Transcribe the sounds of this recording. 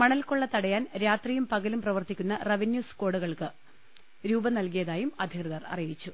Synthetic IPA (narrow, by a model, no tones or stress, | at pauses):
mɐɳɐlkoɭːɐt̪ɐɽɐjaːnɾaːt̪rijumpɐɣɐlumprɐʋɐrt̪ikʲːunːɐrɐʋinjuːsko̞ːɽuɣɐɭkɨ | ɾuːbɐnɐlkijɐðaːjumɐd̪ʱikrɐðɐrɐ̰rijit͡ɕːu